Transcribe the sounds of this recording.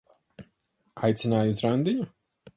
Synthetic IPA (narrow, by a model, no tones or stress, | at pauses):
ajt̪sʲinaːjuzɾand̪ʲiɲʲu